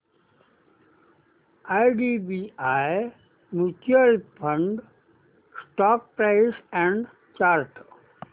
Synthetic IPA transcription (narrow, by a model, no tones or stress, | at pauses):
aɪɖibiaj | nut͡ʃjəlpʰə̃ɳɖ | sʈɔːk̚pɾaɪsɛ̃ɳɖ | t͡ʃaːɾʈ